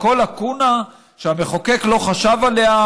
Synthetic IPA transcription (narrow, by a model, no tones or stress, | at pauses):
ko̞lakuna | ʃeameχokeklo̞χaʃavalea